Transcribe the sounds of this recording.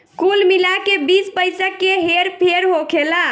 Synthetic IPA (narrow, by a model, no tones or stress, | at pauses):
kulmilakebispəjsəkːeɦeɾpʰeɾɦokʰela